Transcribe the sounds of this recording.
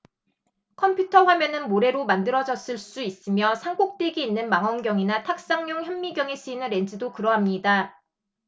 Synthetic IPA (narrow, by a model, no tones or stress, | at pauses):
kʰʌmpʰjutʰʌɸwamjʌnɯnmoɾe̞ɾomandɯɾʌd͡ʑʌs͈ɯɭs͈uis͈ɯmjʌsʰaŋɡok̚t͈eɡiːnːɯnmaŋɦʌnɡjʌŋinatʰak̚s͈aŋɲoŋçjʌmːiɡjʌŋis͈ʰuinɯnɾe̞nd͡ʑɯdokɯɾʌɦamɲida